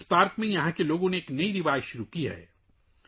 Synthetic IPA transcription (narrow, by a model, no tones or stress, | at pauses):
spaːɾkmẽjɐɦãkeloːɡõneːknɐiɾɪʋaːjʃʊɾukiɦɛ̰ː